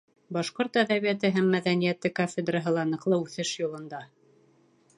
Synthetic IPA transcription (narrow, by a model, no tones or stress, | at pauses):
bɑʃqoɾt̪æðæβijæt̪ɘɦæmːæðænijæt̪ɘkofʲed̪rɑɦɤlˠɑnɤ̆qlˠɤʉθɘʃjulˠɤ̆nd̪ɑ